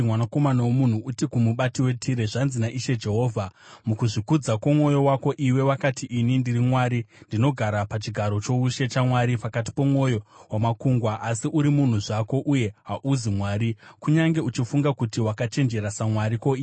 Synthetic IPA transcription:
wanako̞manawomun̤uutikumuɓatiwe̞tʰiɾeʐanzinaʔiʃe̞d͡ʒe̞ɦo̞ːvʱamukuʐikud͡zakomwo̞jo̞wako̞ʔiwe̞wakatʰiʔinindirimwaɾindino̞ɡʱaɾapat͡ʃiɡʱaɾo̞t͡ʃo̞uʃe̞t͡ʃamwaɾipakat̬i̥po̞mwo̞jo̞wamakuŋɡwaʔasiʔuɾimun̤uʐako̞ʔuje̞ɦaʔuzimwaːɾikuɲaŋɡe̞ut͡ʃifuŋɡakutiwakat͡ʃe̞nd͡ʒe̞ɾasamwaɾiko̞i

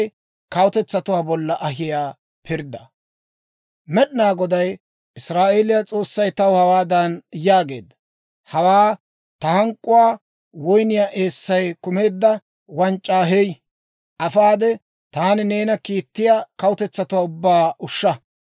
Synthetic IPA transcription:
kɐwʊt̪ɛt͡sːɐt̪ʊwaːbɔlːɐʔɐɦɪjaː | pʰɪɾd̪ɐ | mɛɗɪnaːɡɔd̪ɐj | ɪsɾaːʔeːlɪjat͡sʼo̞ːsːɐjt̪ɐwhɐwaːd̪ɐnjaːɡe̞̰ːd̪ːɐ̥ | hɐwaː | t̪ɐhɐŋkʼːʊwaː | wɔjnɪjaːʔe̞ːsːɐjkʊme̞ːd̪ːɐ | wɐnt͡ʃʼːaːɦej | ʔɐfaːd̪ɛ | t̪aːnɪne̞ːnɐkiːt̪ːɪjaːkɐwʊt̪ɛt͡sːɐt̪ʊwaːʊbːaːʔʊʃːɐ

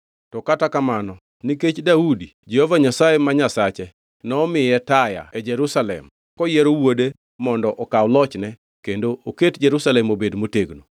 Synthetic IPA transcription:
tɔkatakamanɔ | niket͡ʃdaudid͡ʒehovaɲasajemaɲasat͡ʃɛ | nɔmɪjɛtaja̰ɛd͡ʒɛɾusalɛ̰m | kɔjeɾowode | mɔndɔʔɔkawlɔt͡ʃnɛ | kendoʔoketd͡ʒeɾusalɛmobedmoteɡno

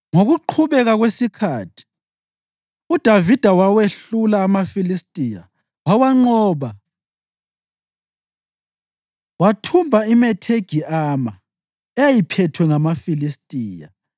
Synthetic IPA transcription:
ŋoɣuǃʰuβɛɣaɣwesikʰaːtʰi̥ | ud̥ʱavid̥ʱawaweɬulaːmafilistʼija̰ | wawaŋ͡ǃɔːβa | watʰumbʱaimɛtʰeɡ̥ʱiaːma | ɛjajipʰɛtʰwɛŋamafilistʼiːja̰

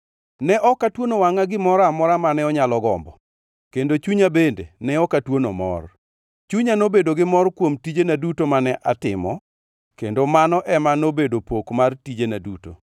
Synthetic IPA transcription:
nɛʔɔkatwonowaŋaɡɪmɔɾamɔɾamanɛɔɲalɔɡɔ̰mbɔ | kendot͡ʃuɲabendḛnɛɔkatwonomɔ̰r | t͡ʃuɲanobedoɡɪmɔrkwomtid͡ʒenadutomanɛʔatɪ̰mɔ | kendomanɔʔɛmanobedopokmartid͡ʒenaduto̰

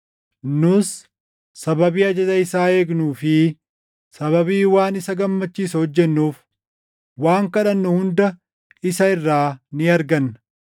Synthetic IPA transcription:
nʊsː | ɐbɐbiːɐd͡ʒɐzɐɪsaːe̞ːɡnuːfɪ | sɐβɐbiːwaːnɪsɐɡɐmːɐt͡ʃːiːsɐhɔd͡ʒːɛnːuːf | waːŋkɐᶑɐnːʊhʊnd̪ɐ | ɪsɐɪrːaːnɪɐɾɡɐnːɐ

